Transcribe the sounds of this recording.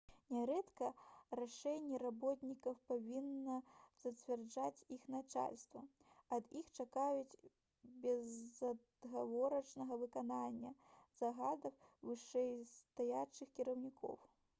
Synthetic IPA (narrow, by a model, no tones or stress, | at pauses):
nʲɛɾɛt̪kɐraʂɛnʲːɛɾabɔt̪ʲnʲikɐwpavʲinːɐz̥ɐt͡sʲvʲɛrd͡ʐat͡sʲixnat͡ʂa̰lʲst̪vɐ | ɐd̪ixt͡ʂakajut͡sʲ | bʲɛzɐd̪ɣavɔɾɐt͡ʂnɐɣɐvɨkananʲːɐz̥aɣad̪ɐwvɨʂɛjst̪ajat͡ʂɨxkʲiɾɐwnʲikʰɔ̰w